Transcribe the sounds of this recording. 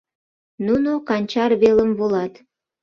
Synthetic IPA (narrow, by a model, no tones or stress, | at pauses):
nunokɑnʲt͡ɕɑrβeləmvolɑt̪